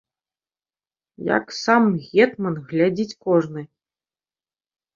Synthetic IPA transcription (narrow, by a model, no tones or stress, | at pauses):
ja̰ksamɣʲɛt̪mɐnɣlʲad͡zʲit͡sʲkɔʐnɨ